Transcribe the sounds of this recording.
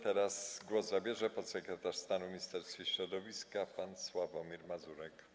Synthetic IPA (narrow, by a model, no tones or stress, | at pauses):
t̪ɛɾasɡwɔzzabʲjɛʐɛpɔt̪sɛkɾɛt̪aʂst̪anumʲɲist̪ɛɾst̪fʲiɕɾɔd̪ɔvʲiskapanswavɔmʲiɾmazuɾɛk